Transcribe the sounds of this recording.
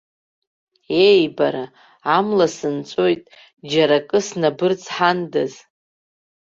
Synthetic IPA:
ejbaɾa | amlasɨnt͡sʷʼojtʼ | d͡ʒaɾakʼɨsnabɨrt͡sʰʼħandɨz

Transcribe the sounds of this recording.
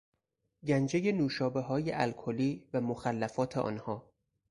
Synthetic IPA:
ɟænd͡ʒeje̞nuːʃɒːbeɦɒːjeʔælkʰoliːvæmoxælːæfɒːt̪ʰeʔɒ̰ːnhɒː

